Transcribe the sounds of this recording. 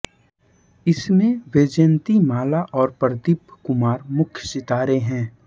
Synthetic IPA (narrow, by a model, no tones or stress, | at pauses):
ɪsmẽʋeːd͡ʒent̪imaːlaʔɔːɾpəɾd̪ɪbkʊmaːɾmʊkʰjsɪt̪aːɾeɦɛ̃ː